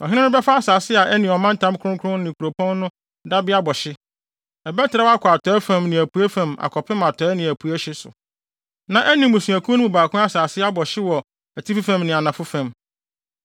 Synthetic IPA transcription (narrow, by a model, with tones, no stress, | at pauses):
ɔ˨ɦɪ̃˦nɪ̃˦nʊ̃˦bɛ˦fa˦a˦saː˨sɪ˦a˨ʔɛ˦nĩ˨ɔ˨mã˦n˦tʰã˦m˦kʰʊ̃˦ŋ˦kʰʊ˦ʊ̃˦nnɪ̃˨kʰu˨ɾo˨pʰɔ̃˦nː˦ʊ̃˦ | da˦bɪ˦a˦bɔ˨ɕɪ˦ | ɛ˨bɛ˦tʰɪ˨ɾa˦wa˦kʰɔ˨a˨tʰɔ˨˦ɛ˦fã˨mnɪ̃˨æ˨pʰu˨æ˦fã˨ma̰˨kʰɔ˨pʰɪ̃˦ma˨tʰɔ˨˦ɛ˦nɪ̃˨æ˨pʰu˨æ˦ɕɪ˦sʊ̰˨ | nã˨ʔæ˦nĩ˨mʊ̃˨sũ˨æ˨kʰũ˦nʊ̃˦ũ˨baː˨kʰʊ̃˦a˦saː˨sɪ˦a˦bɔ˨ɕɪ˦wɔ˨ | æ˨tʰi˦fi˦fã˨mnɪ̃˨a˨nã˨fʊ˦fã˨m